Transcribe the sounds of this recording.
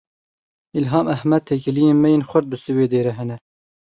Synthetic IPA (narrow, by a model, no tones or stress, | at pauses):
ilɦɑːmæhmɛd̪̚t̪ʰekɨlijeːnmɛjeːnxʷʊɾd̪̚bɨsɨweːd̪eːɾɛɦɛnɛ